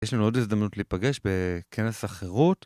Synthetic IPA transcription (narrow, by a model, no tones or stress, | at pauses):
jeʃlanuo̞dizd̪amnutliːpaɡe̞ʃbekʰenesaχeʁut